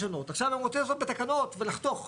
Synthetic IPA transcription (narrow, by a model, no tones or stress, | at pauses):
ono̞t̪aχʃavemot͡sesobet̪akano̞t̪velaχt̪o̞χ